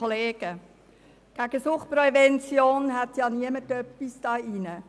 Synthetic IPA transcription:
oleːɡ̥ə | ɡ̥æɡ̥əsʊχprɛvɛnt͡sjoːnhat̪jɑːniəmətœpːisd̥ɑːinə

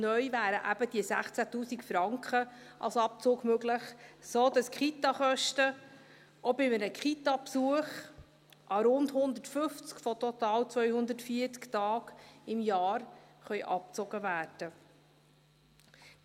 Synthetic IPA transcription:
nœʏvæːɾəʔæb̥əd̥̪isæχt͡sæt̪uːsikfɾɑŋkχə | ɑ̰lsɑp̚t͡sʊːɡmøɡləχsoːd̥ɑskχit̪ɑχœʃtə | ɔbɪmənəkχit̪ɑpsuəχ | ʔɑɾʊndhʊnd̪ətfʏft͡skfɔtɔt̪ɑːlt͡sʋœʏhʊnd̪ətfiət͡sktɑːɡɪmjɑːɾχœʏʔɑ̰p̚t͡sɔɡəvæːrd̥ə

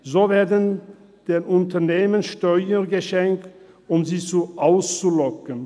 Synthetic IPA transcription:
zoːveːɐdən | d̥eːnʔʊntɐneːmənʃtɔʏəɡəʃɛŋk̚t | ʊmziːt͡suʔaʊst͡sulɔkən

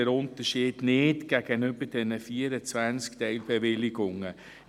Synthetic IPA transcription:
ɛɾʊntəʃiːd̥nɪtɡ̥æɡ̥ənʏbədɛnəfiːəɾət͡svænt͡sktɛɪlbɛvɪlɪɡʊŋə

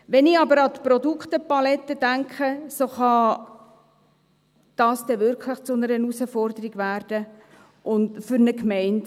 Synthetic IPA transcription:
ʋɛnɪɑbəɾɑt̪pɾɔdukχtəpɑlɛtːəd̥æŋkχəsoχɑ | d̥ɑːsd̥ɛʋʏɾkʰləχt͡sʊnəɾənusəfɔrdəɾiɡʋærd̥ə | ʔʊndfʏɾnəkmɛɪnt

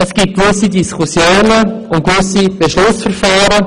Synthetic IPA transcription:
əsɡ̥ip̚kvʏsidiskʰusjoːnə | ʊnkvʏsib̥eʃlʊsfəɾfɑːɾə

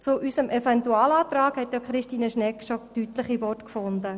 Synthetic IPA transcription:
t͡sʊʔysəmʔɛfɛntuaːlaːt̪ɾaːkhɛtjakχɾɪʃtiːnəʃnɛkʃotytləχivɔtkfʊnd̪ə

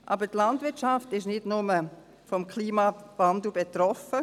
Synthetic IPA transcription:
ʔʔɑ̰ːbətlandvɪɐt͡ʃaftɪʃnɪdnʊmə | fɔmkʰliːmavandl̩bet̪ɾɔfə

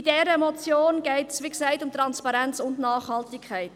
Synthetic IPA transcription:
idɛːɾəmɔt͡sjoːnɡ̥ɛɪtsʋiksɛɪtʊmt̪ɾɑnspɑɾɛnt͡sʊndnɑːχhɑltikʰχɛɪt

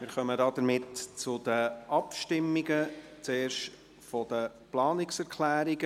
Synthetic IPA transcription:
mɪːɾχœmədɑːd̪əɾmɪtt͡sʊd̥̪əʔɑpʃtɪmːiɡət͡seːɾʃt | fɔd̥̪ə | plɑːnɪksɛɾkʰlæːɾiɡə

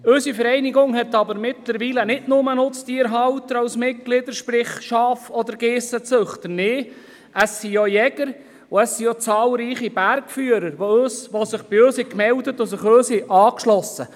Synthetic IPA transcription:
ɵsifəɾɛjniɡʊŋhɛt̪ːɑbəɾmɪt̪ləɾʋiːlənɪdnʊmənʊt͡stiːəɾɦɑwtəɾɑwsmɪt̚ɡ̥lɪdəɾʃpɾɪχʃɑːfɔd̪əɾɡ̥eːsət͡søχt̪əneː | ʔəsːijojɛɡəɾ | ʊəsːijot͡sɑːlɾiːχib̥æɾkfyːəɾəɾʋoøːsʋɔsɪχb̥ɪøːshɪkmɛldətʊsɪχøːshɪʔɑːkʃlɔsə

